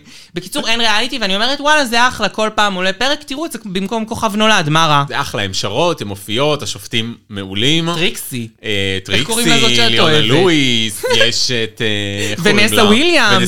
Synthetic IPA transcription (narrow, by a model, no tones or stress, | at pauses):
beki̥t͡suʁejnʁealitiveanio̞meʁetwalazeaχlako̞lpaːmolepeʁektiʁuetzebimko̞mko̞χavno̞ladmaʁazeaχlaemʃaʁotemofio̞thaʃoftimːeulimtʁiksiet̪ʁikoʁimaoaoaluisɡeʃet̪evenesawiljams